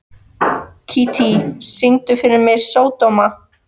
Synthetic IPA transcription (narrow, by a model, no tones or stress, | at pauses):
cʰit̪ʰisiŋt̪ʏfɪɾɪɾmɪðsoːwt̪owma